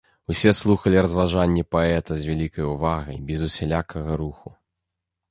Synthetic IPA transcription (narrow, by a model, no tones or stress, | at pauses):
wsʲɛslˠuxɐlʲiɾɐzvaʐanʲːɛpaɛt̪ɐzʲvʲalʲikɐjuvaɣɐ̰jbʲɛzusʲɛlʲakʰɐɣɐɾuxu